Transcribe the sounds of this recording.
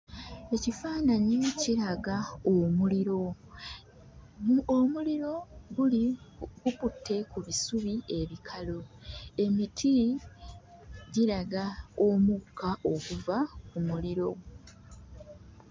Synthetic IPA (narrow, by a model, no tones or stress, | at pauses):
e̞cifaːnaɲieciɾaɡaomuliɾo̞ | omuliɾo̞ɡuliɡuputʰːe̞kuβisuβie̞βikʰalo̞e̞mitʰi | ɟiɾaɡaomukʰːaʔo̞kuvakumuliɾo̞